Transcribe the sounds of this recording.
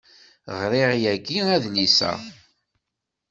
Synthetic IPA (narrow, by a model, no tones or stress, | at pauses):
ʁɾɪʁjæɡiæðnisæ̰